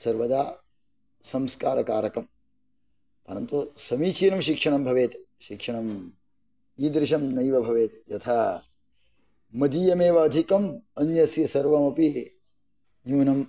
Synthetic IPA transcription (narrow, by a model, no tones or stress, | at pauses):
sɐɾʋɐd̪aː | sɐmskaːɾɐkaːɾɐkɐm | pɐɾɐnt̪usɐmiːt͡ʃiːnɐmʃikʂɐɳɐmbʱɐʋeːt̪ | ʃikʂɐɳɐm | iːd̪ɾɪʃɐmnɐjʋɐbʱɐʋeːt̪jɐt̪ʰɐ | mɐd̪iːjɐmeːʋɐːd̪ʱikɐmɐnjɐsjɐsɐɾʋɐmɐpi | njuːnɐm